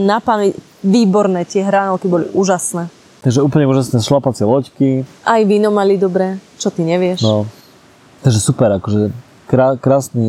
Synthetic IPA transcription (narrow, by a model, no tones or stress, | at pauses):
napani | ʋiːbɔɾnɛːt̪ɪɛɦɾanɔʊkibɔlḭʔuːʒasnɛː | t̪aɡʒɛuːpl̩ɲɛuːʒasnɛːsʃlapat͡sɛlɔckiʔajʋiːnɔmalid̪ɔbɾɛːt͡ʃɔt̪iɲɛʋɪɛʃnɔ | t̪aɡʒɛsupɛɾakɔʒɛ | kɾakɾaːsni